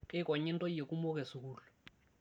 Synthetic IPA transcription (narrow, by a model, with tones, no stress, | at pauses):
kʼe˦kɔ˨ɲɪ˦ntʼɔ˦e˨ku˦mɔ˦k̬ɛ˨su˨kuːlɔ˨